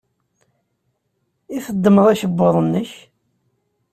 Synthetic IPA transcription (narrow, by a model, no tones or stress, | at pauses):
iθəd̪ːəməðˤæʃəbːʊðˤnːəç